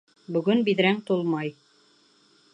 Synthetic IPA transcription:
bɵ̆ɡɵnbiðɾæŋt̪ulˠmɑj

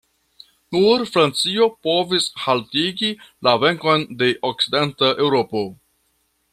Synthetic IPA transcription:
nuɾfɾant͡sio̞po̞vishaltiɡilave̞ŋko̞jnde̞ʔok̚t͡sidentaʔewɾo̞po̞

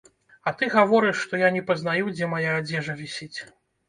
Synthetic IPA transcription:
ɐt̪ɨɣavɔɾɨʂːt̪ɔjanʲɛpɐznajud͡zʲɛmajaːd͡zʲɛʐɐvʲisʲit͡sʲ

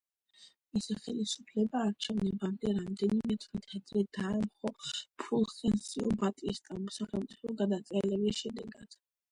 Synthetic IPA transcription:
misiχɛlisupʰlɛbaːɾt͡ʃʰɛvnɛbamd̪ɛɾamd̪ɛnimɛt̪ʰwit̪ʰad̪ɾɛd̪aɛmχɔpʰulˠsɛnsiɔbat̪ʼist̪ʼamɔsaχɛlˠmt̪sʼipʰɔɡad̪at̪sʼɛlɛbisʃɛd̪ɛ̰ɡad̪̥

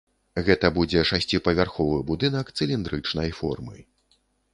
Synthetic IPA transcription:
ɣɛt̪ɐbud͡zʲɛʂasʲt͡sʲipɐvʲarxɔvɨbud̪ɨnɐkt̪sɨlʲind̪ɾɨt͡ʂnɐjfɔ̰rmɨ̰

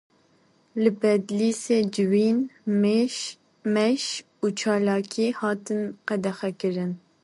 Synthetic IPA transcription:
lɨbɛd̪liːseːd͡ʒɨwiːnme | mɛʃ | uːt͡ʃʰɑːlɑːkʰiːhɑːt̪ɨnqɛd̪ɛxɛkɨɾɨn

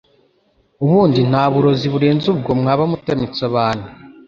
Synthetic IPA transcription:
uβuːndin̥haːβuɾo̞ziβuɾeːnzub̚ɡo̞mŋaːβamutemit͡saβaːnu

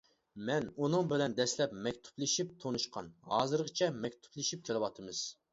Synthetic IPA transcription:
mɛnunɨŋbɪlɛnd̪ɛslɛpmɛkʲt̪ʰu̥plɪʃip̚t̪ʰonuʃqʰɑ̰nhɑːzɨɾʁət͡ʃʰɛmɛkʲt̪ʰu̥plɪʃip̚kʲʰelˠɨwɑt̪ʰɨmɨz̥

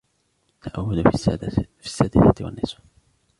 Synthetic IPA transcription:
t̪ːaʔawːad̪ | fisːad̪ɪθat̪ɪwa̰nːɪsḁ

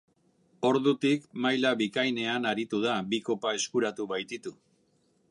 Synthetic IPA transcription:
o̞ɾðut̪ikmajlaβikajne̞anaɾit̪uð̞abiko̞pae̞skuɾat̪uβajt̪it̪u

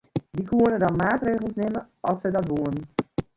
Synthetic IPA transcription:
ʋikuənədɔnmaːtreːɣəl̩ˠsnɪmə | ɑlˠsədɔtʋoən

